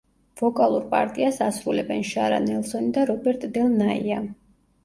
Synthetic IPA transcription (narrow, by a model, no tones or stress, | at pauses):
vɔkʼalˠuɾpʼaɾt̪ʼiasasɾulɛbɛnʃaɾa̰nɛlˠsɔnid̪aɾɔbɛɾt̪ʼd̪ɛlˠnaia